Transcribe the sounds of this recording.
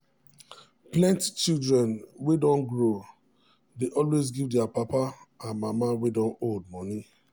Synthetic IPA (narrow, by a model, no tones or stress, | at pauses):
plɛ̃nti̥t͡ʃildɹɛ̃nwedɔ̃nɡɹo | deʔɔlwezɡivdɛapapaãnmamawedɔ̃nold̚mɔni